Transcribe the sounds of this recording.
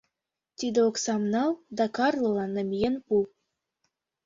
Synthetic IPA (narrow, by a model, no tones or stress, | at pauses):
t̪id̪ĕoksɑmnɑlˠd̪ɑkɑrlˠɤ̆lˠɑnə̆mʲjenpu